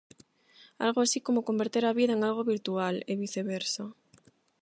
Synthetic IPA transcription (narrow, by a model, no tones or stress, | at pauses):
a̰lɣoasikomokombeɾt̪eɾaβiðɐeŋalɣoβiɾt̪ualeβiθeβeɾso